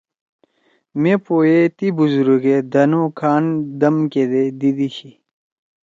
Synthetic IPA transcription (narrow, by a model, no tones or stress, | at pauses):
mepoːjet̪ibuzuɾuɡed̪ɐnokʰaːnd̪ɐmked̪ed̪id̪iɕi